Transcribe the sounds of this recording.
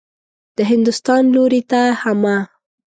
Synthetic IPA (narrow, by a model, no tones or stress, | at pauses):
d̪̥əɦɪnd̪ʊst̪ɑnloɾit̪ahama